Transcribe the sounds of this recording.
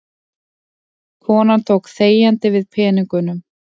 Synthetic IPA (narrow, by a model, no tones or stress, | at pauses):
kʰɔːnant̪ʰoːwkθeːjant̪ɪvɪðpʰɛːniŋkʏnʏm